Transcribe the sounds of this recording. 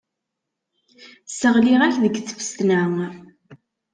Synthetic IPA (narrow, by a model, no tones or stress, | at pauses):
səʁliʁæçðəɡθə̥fə̥st̪næ